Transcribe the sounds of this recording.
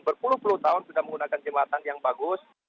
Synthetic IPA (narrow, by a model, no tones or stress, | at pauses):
bərpulʊhpulʊht̪aʊnsudahməŋɡunakand͡ʒəmaat̪anjaŋbaɡʊs